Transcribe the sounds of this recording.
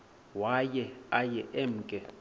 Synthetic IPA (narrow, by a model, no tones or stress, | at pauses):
wajɛajɛʔem̩kʼɛ